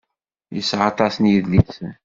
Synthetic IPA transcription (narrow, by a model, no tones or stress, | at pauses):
jəsːʕɑt̪ˤɑsnjəðlis